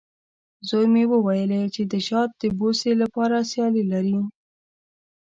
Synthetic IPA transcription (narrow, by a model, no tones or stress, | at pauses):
zojmewəwajəlet͡ʃed̪əʃɑt̪̚d̪əboselapɑɾasjɑlilaɾi